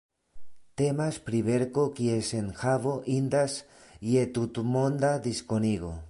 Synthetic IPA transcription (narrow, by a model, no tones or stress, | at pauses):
t̪emaspɾiβeɾkokjesenxaβoʔind̪as | jet̪ut̪umond̪ad̪iskoniɣo̰